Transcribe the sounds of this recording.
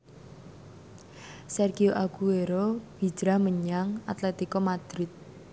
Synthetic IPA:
sɛrɡioʔaɡ̥ueɾob̥i̤̥d͡ʒ̥ɾahməɲaŋat̪let̪ikɔmad̪̥ɾɪt̪̚

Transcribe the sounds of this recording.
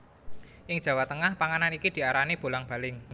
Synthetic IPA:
ʔɪŋd̥ʒ̥ä̤wat̪əŋahpaŋananikid̪̥i̤aɾanib̥o̤laŋb̥a̤lɪŋ

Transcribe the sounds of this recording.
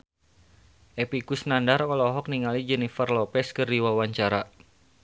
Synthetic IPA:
ʔɛpikusnandarɔlɔɦɔk̚niŋalid͡ʒɛnifərlɔpɛskərdiwawaɲt͡ʃaɾa

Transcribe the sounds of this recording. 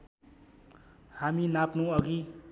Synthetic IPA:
haminapnuʌɡi

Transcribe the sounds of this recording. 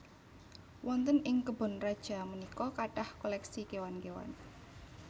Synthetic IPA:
wʔɔnt̪ənɪŋkəb̥ʊ̤nrad̥ʒ̥a̤mənikɔkaʈahkolɛksikewankewa̰n

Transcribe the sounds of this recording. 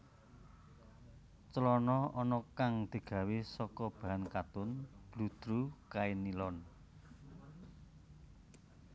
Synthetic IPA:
t͡ʃəlɔnɔɔnɔkaŋd̪̥i̤ɡ̥ä̤wisɔkɔb̥a̤ɦankat̪ʊnb̥lṳd̪̥ɾukainilɔn

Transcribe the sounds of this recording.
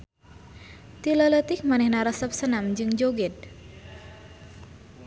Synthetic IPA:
t̪ilələt̪ik̚manɛhnaɾəsəp̚sənamd͡ʒɨŋd͡ʒoɡɪd̪̚

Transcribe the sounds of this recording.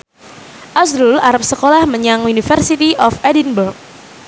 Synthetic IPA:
ʔasɾulaɾap̚səkolahməɲaŋunifərsit̪iʔɔfɛdinburk̚

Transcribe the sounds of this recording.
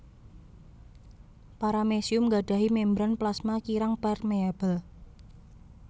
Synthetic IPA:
paɾamesiʊmɡa̤ɖ̥ä̤ɦimembɾanplasmakiɾaŋpɛrmeab̥əl

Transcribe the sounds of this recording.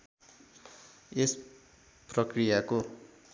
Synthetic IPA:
es | prʌkrijako

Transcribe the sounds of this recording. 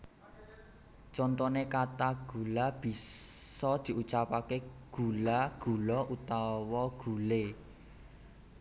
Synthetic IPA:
t͡ʃɔnt̪ɔnekat̪aɡ̥ṳlab̥i̤sɔd̪̥i̤ʔut͡ʃapakeɡ̥ulaɡ̥ṳlɔʔut̪awɔɡ̥ṳle

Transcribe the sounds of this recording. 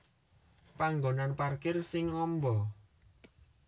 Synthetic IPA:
paŋɡonanparkɪrsɪŋɔmbɔ

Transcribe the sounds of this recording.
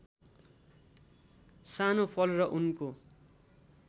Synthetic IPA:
sanopʰʌlrʌʔunko

